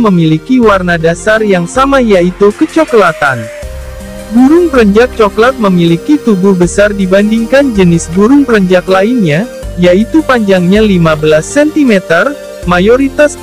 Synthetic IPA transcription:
məmilikiwarnadasarjaŋsamajait̪ukət͡ʃɔklat̪an | buɾʊŋpəɾəɲd͡ʒak̚t͡ʃɔklat̪̚məmilikit̪ubuhbəsardibandiŋkand͡ʒənɪsbuɾʊŋpəɾəɲd͡ʒaklainɲajait̪upaɲd͡ʒaŋɲalimabəlasːɛnt̪imɛt̪ər | majoɾit̪as

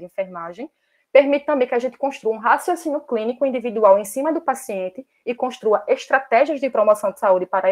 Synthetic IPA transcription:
iĩfeɾmaʒẽj̃ | peɾmit̪ɪt̪ɐ̃mbẽj̃kɪaʒẽnt̪ɪ̥kõʃt̪ɾuɐũɦasjosĩnʊklĩnikʊĩd̪ivid̪uawẽj̃sĩmɐd̪ʊpasiẽnt̪ɪːkõʃt̪ɾuɐʔeʃt̪ɾat̪ɛʒiɐzd̪ɪpɾomɔsɐ̃w̃d̪ɪ̥saud̪ɪpaɾɐ

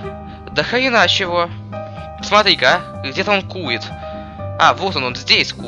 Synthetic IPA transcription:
d̪əxəɪnat͡ɕɪvo | smɐt̪ɾʲikɡdʲet̪əo̞nkujɪt̪ | avot̪ononzʲdʲesʲku

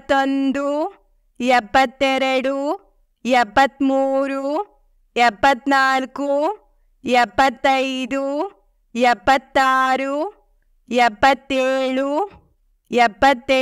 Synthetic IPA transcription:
t̪ːond̪u | ɛpːɐt̪ːɛɾɐɽu | jɛpːɐt̪ːmuːɾu | jɛpːɐt̪naːlku | ɛpːɐt̪ːɐjd̪u | jɛbːɐt̪ːaːɾu | jɛpːɐt̪ːeːɽu | ɛbːɐt̪ː

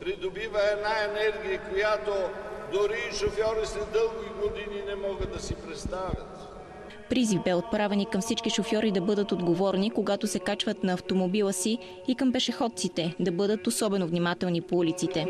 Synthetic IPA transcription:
pɾid̪obivəɛnaɛnɛɾɡʲijəkojat̪od̪oɾiʃofjɔɾislɛd̪ɤlˠɡʲiɡod̪ininɛmɔɡəd̪ɐsipɾɛt̪st̪avʲjə̰t̪ | pɾizivbɛot̪̚pɾavɛnikɐmfsit͡ʃkiʃofjɔɾid̪ɐbɤd̪ət̪od̪ɡovɔɾnikoɡat̪osɛkat͡ʃvət̪nɐːft̪omobilˠəsiː | kɐmpɛʃɛxɔt̪̚sit̪ɛd̪ɐbɤd̪ət̪osɔbɛnovnimat̪ɛlˠnipoulit̪sit̪ɛ

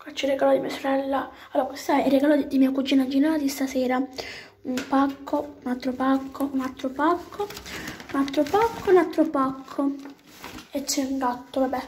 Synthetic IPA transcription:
kʷat͡ʃːiriɡaːlod̪imiasoɾɛlːa | alːoːɾakwest̪aɛiriɡaːloid̪imiakud͡ʒiːnad͡ʒinaːt̪ist̪asɛːɾa | umpakʰːounalt̪ːɾopakʰːounalt̪ːɾopakʰːounalt̪ːɾopakʰːounalt̪ːɾopakʰːo | et͡ʃːɛuŋɡat̪ːovabɛ

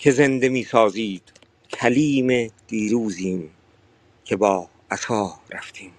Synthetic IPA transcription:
cʰe̞ze̞nd̪e̞miːsɒːziːd̪̥ | kʰæliːmed̪̥iːɾuːziːm | cʰe̞bɒː | æt̪ʰɒːɾæft̪ʰiːm

